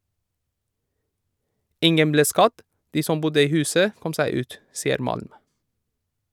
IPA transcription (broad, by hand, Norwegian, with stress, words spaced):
ˈɪŋən ˈbleː ˈskɑd ˈdiː ˈsɔm ˈbʊdə ˈiː ˈhʉːsə ˈkɔm ˈsæɪ ˈʉːt ˈsiːəɾ ˈmɑlm